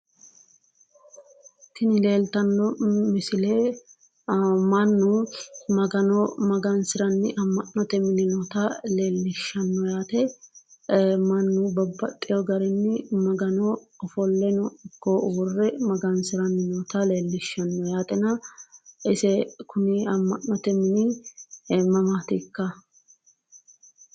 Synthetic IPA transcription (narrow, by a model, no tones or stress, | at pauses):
kɪnɪle̞ːlt̪ɐnːɔmɪsɪleː | mɐnːumɐɡɐnɔmɐɡɐnsɪɾɐnːɪʔɐmːɐnːɔt̪ɛmɪnɪnɔt̪ɐle̞ːlːɪʃːɐnːɔjaːt̪ɛ | mɐnːubɐbːɐt̪ʼːɪjɔɡɐɾɛnːɪmɐɡɐnɔːfɔlːɛnɔɪkːɔwɔrːɛmɐɡɐnsɪɾɐnːɪnɔːt̪ɐleːlːɪʃːɐnːɔjaːt̪ʼɛnɐʔɪsɛkʊnɪɐmːɐnːɔt̪ɛmɪnɪ | mɐmaːt̪ɪkːɐ